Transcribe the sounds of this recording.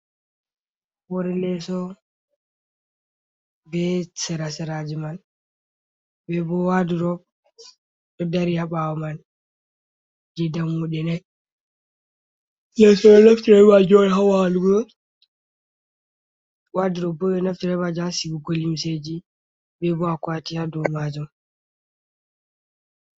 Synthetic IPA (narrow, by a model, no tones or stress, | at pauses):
wɔɾɛlɛsɔ | bɛsɛɾasɛɾad͡ʒiman | bɛbɔwaduɾɔ | ɗɔdaɾiaɓawaman | d͡ʒɛdamːuɗɛnaj | lɛsɔɓɛnaftiɾɛbad͡ʒɔɛɦawaluɡɔ | waduɾɔbɔɓɛnaftiɾɛbad͡ʒasibuɡolimsed͡ʒi | bɛbɔakwatijadɔmad͡ʒɔm